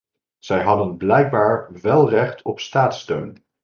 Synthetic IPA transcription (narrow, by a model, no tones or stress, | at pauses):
z̥ɛjɦɑdənblɛjɡ̚baːɹʋɛlˠrɛχtʰɔpstaːtstøɥn